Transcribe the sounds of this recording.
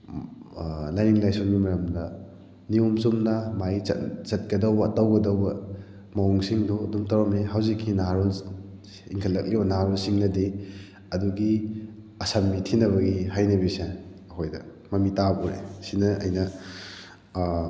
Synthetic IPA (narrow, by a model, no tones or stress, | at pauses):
lajniŋlajsuŋɡimɐɾɐmdɐ | niumsumnɐmajɐ̰t͡ʃɐt̚kɐdɐwbɐːtɐwɡɐdɐwbɐ | mɐwuŋsiŋdudumtaɾɔmeɦawzikʰːinaɾɔl | ḭŋkʰɐlːɐk̚libɐnaɾɔlsiŋnɐde | ɐduɡi | ɐsambitʰinɐβɐɡihajnɐbisaɐhojdɐ | mɐmitabuɾḛsinɐɐ̰jnɐ